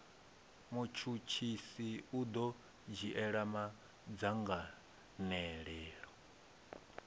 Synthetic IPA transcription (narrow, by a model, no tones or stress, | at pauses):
mut͡ʃʰut͡ʃʰisiud̪ɔ | d͡ʒiʔɛɺama | d͡zaŋɡa | nɛɺɛːɺɔ